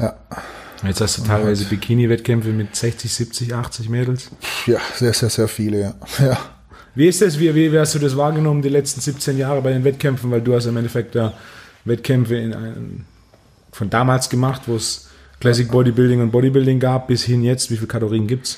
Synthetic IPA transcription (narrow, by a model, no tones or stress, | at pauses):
ja | jɛt͡sthastd̥uːtʰaɪlvaɪzəbikʰiːnivɛtkʰɛmfəmɪtz̥ɛçt͡sɪçz̥iːp̚t͡sɪçʔaχt͡sɪçmeːdl̩sjaz̥eːɐzeːɐzeːɐfiːləjaːjaː | viːɪstd̥as̬viːviːviːhastd̥uːdas̬v̥aːɐɡənɔməndiːlɛt͡stn̩zipt͡seːnjaːʁəbaɪdeːnvɛtkʰɛmfn̩vaɪlduːhastɪmʔɛntɛfɛk̚tjaː | vɛtkʰɛmfəɪna̰ɪn | fɔndaːmaːlsɡ̥əmaχtvoːs | kl̥ɛs̬ɪk̚b̥ɔdibɪldɪŋʊnt̚b̥ɔɾibɪldɪŋɡaːp̚b̥ɪshɪnjɛt͡stv̥iːfiːlkʰaloʁiːənɡiːp̚ts